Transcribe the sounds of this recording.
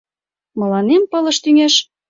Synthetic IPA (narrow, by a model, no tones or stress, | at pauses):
mɤ̆lɑnempɤ̆lɤ̆ʃt̪yŋeʃ